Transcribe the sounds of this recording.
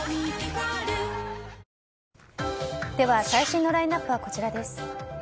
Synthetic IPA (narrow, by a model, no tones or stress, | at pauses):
d̪̥e̞βasaiɕĩnːo̞ɾainapːɯβako̞t͡ɕiɾad̪e̞sɨ̥